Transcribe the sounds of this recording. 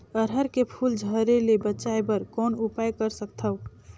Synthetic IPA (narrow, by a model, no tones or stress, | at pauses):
əɾɦəɾkepʰuld͡ʒʱəɾelebətːt͡ʃaebəɾkɔːnupajkəɾsək̚t̪ʰəʊ